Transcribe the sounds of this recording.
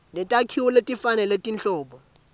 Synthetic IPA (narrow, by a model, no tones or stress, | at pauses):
nɛtʼakʰiwɔletʼifanɛletʼint͡ɬɔːɓɔ